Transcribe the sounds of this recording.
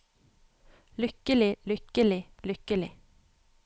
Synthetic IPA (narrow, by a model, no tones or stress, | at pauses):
lʏkəlɪlʏkəlɪ | lʏkəlɪ̰